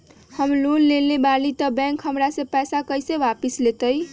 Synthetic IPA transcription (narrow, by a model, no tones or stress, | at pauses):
həmlunlelebalit̪əbɛ̃ŋkɦəmɾasẽpɛjsakəjseʋapislet̪əj